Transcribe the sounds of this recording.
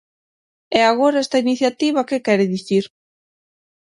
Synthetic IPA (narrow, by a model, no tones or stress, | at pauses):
ɛaɣ̞oɾaɛst̪ainiθjat̪iβ̞akekɛɾeðiθiɾ